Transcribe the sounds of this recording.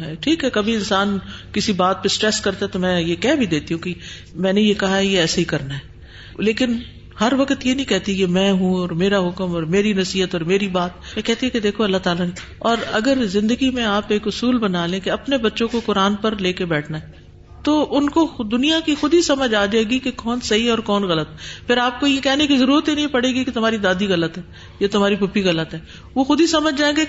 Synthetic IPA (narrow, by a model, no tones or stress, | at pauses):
ɦɛːʈʰiːkɦɛkɐbʱiɪnsaːnkɪsibaːt̪̚pesʈɾɛskɐɾt̪aɦɛt̪omɛ̃ːjekɛbʱid̪eːt̪iɦũki | mɛ̃ːnejekɐɦaɦɛjeɛːsaɦikɐɾnaɦɛː | leːkɪn | hɐɾʋɐkt̪jenɐɦĩkɛɦt̪ikemɛ̃ːɦũɔːɾmeːɾaɦʊkəmɔːɾmeːɾinɐsiːɦət̪ɔːɾmeːɾibaːt̪̚mɛ̃kɛɦt̪iɦɛked̪eːkʰoɐlːat̪aːlane | ɔːɾɐɡəɾzɪ̃nd̪əɡimẽaːpeːkʊsuːlbɐnaːlẽkeɐpnebɐtːʃõkokʊɾaːnpɐɾleːkebɛːʈʰnaɦɛː | t̪oʔʊnkod̪ʊnijakixʊd̪isɐməd͡ʒaːd͡ʒaːeːɡikekɔːnsɐɦiɦɛɔːɾkɔːnɣɐlət̪pʰɪɾaːp̚kojekɛɦnekizɐɾuːɾət̪jinɐɦĩpɐɽeːɡiket̪ʊmaːɾid̪aːd̪iɣɐlət̪ɦɛː | jat̪ʊmaːɾipʊpiɣɐlət̪ɦɛː | ʋoxʊd̪isɐməd͡ʒʱd͡ʒaːẽɡe